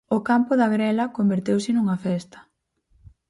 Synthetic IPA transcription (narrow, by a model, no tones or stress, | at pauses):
ʊkampʊðɐɣɾɛlɐkombeɾt̪ewsɪnuŋɐfɛst̪ɐ̥